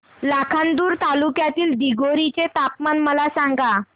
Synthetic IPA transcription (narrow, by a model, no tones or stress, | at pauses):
lakʰand̪uːɾt̪alukjat̪iːld̪iɡoɾit͡set̪ap̚manməlasaŋɡa